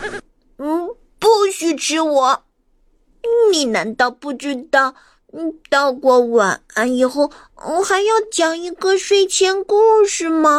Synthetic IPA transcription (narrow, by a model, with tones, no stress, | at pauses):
pu˥˩ɕy˥ʈ͡ʂʰɻ̩˥wɔ˨˩˦ | ni˨˩na˧˥nt̪ɑ˥˧ʊpu˥˩ʈ͡ʂɻ̩˥˧t̪ɑ˥˩ʊ | t̪ɑ˥˧ʊkwɔ˥˩wa˨˩n˧˥i˨˩xo˥˩ʊ˧˩ | xa˧˥ɪjɑ˥˩ʊt͡ɕjɑ˨˩ŋi˧˥ɡə˥˧ʂwe˥ɪt͡ɕʰjɛ˥nku˥˩ʂɻ̩˥˩mɐ˨˩